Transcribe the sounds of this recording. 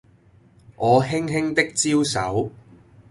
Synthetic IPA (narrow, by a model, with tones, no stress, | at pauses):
ʔɔː˨˧ɦɪ˥ŋɦɪ˥ŋt̪ɪ˥k̚t͡siː˥wsɐ˨˥w